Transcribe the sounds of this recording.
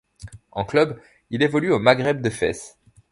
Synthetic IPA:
ɑ̰̃klœb | ilevɔlyomaɡʁɛb̚d̪əfɛ̰s

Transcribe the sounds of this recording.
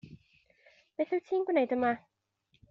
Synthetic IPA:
v̥eθɪwtʰiːnɡwnejdəma

